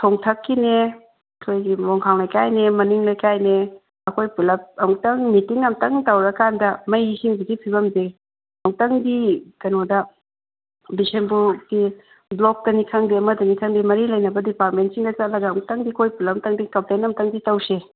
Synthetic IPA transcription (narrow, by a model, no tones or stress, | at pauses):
tʰoŋtʰɐkːine | ɐkʰojɡimɔŋkʰaŋlɐjkajnemɐniŋlɐjkajne | ɐkʰojpulɐp̚ɐŋtɐŋmitiŋɐmtɐŋtɐwɾɐkandɐmɐjisiŋbiɡipʰibɐmze | ɐŋtɐŋdikɐnodɐ | bisenbuti | blok̚dɐnikʰɐŋdiɐmɐdɐnikʰɐŋdimɐɾilɐjnɐbɐdipaɾtmentsiŋdɐt͡ʃatlɐɡɐːŋtɐŋdikʰojpulɐmtɐŋdikɐmplenɐmtɐŋditɐwse